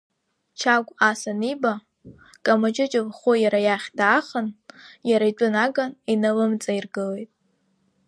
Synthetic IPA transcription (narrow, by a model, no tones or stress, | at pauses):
t͡ʃʰaɡʷʼasaniba | kʼamat͡ʃʼɪt͡ʃʼɪvχojaɾajaχʲdaːχənjaɾaiʈ͡ʂʷʼʊnaɡaninalɨmt͡sʼairɡɨle̞jtʼ